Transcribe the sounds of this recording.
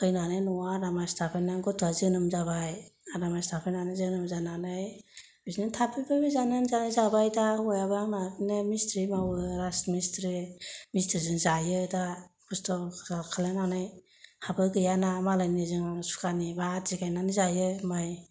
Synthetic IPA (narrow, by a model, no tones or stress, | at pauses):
ɯjnanɯnɔwaɾamajstʰapʰejnaŋɡɔtʰazɯnɯmzabajaɾamajstʰapʰejnanɯzɯnɯmzananɯj | bisnitʰapʰibɯbizanɯnzanɯzabajdaɔjaβamaɡnemistʰɾimawɯɾasmistɾimistɾizɯŋzajɯdakʰustɔakʰalenanɯj | habɯɡɯjanamalajnizɯŋaŋsu̥kʰanibazikajnanizajɯmaj